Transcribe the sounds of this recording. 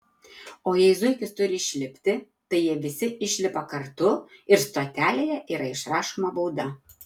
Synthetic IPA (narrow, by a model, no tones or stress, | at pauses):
ojejzʊjkʲɪst̪ʊɾʲɪiʃʲlʲɪpʲt̪ʲɪ | t̪ɨjɛʋʲɪsʲɪʔɪʃʲlʲɪpɑkɐrt̪uɪrst̪ot̪ʲælʲejɛʔiɾɑɪʃɾɑʃumɐbowd̪ɑ